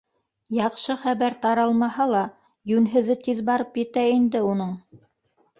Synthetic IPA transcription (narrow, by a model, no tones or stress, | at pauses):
jɑqʃɤχæβæɾt̪ɑɾɑlˠmɑɦɑlˠɑ | jʉnɦɘ̆ðɘt̪iðbɑɾɤpjɘ̆t̪æind̪ɘunɤɴ